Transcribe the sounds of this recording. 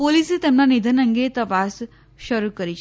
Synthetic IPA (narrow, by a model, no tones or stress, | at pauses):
poliset̪emnanid̪ʱənəŋɡet̪əpas | ʃəɾukəɾit͡ʃʰ